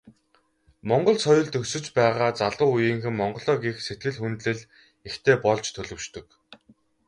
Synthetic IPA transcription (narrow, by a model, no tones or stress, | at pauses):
mɔɴɢɞ̆ɮsɔjʊ̆ɮt̪ɵksɵ̆t͡ɕpæːʁaːt͡saɮʊːujiːŋxɘ̆mmɔɴɢɞ̆ɮɔːɣixset̪̚ɡɘ̆ɮxunt̪ɮɘ̆ɮ | ext̪ʰeːpɔɮt͡ɕt̪ʰɵɮɵ̆wʃt̪ɵ̆k